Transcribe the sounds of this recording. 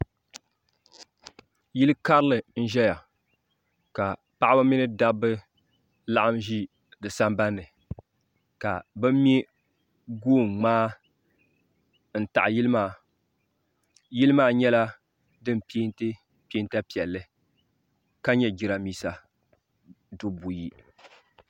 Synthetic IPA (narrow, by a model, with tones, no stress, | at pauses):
ji˦lɨ˦ka˦ɾɨ˦lɨ˨n̩˦ʒɛ˦ja˨ | ka˨ | pa˦ʔa˦ba˦mi˦nɨ˦da˦bɨ˦ | la˦ʔa˦mʒi˦ | dɨ˨sa˦mba˦nːɨ˨ | ka̰˨bɨ˦m˦mi˦ | ɡoː˦˨mŋ͡maː˦ | n̩˨ta̰˨ʔa˨ji˦lɨ˦maː˦˨ | ji˦lɨ˦maː˦ɲɛ˦la˦ | dɨ˦m˨pi˦ntɨ˦ | pe˦nta˦pi˨ɛ˨lːɨ˦ | ka˦ɲɛ˦ɡi˨ɾa˨miː˦sa˨ | du˦bu˨ji˦